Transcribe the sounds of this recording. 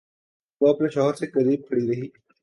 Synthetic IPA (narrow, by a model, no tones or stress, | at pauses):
oɐpneʃɔɦəɾsekɐɾiːb̚kʰɐɽiɾɐɦiː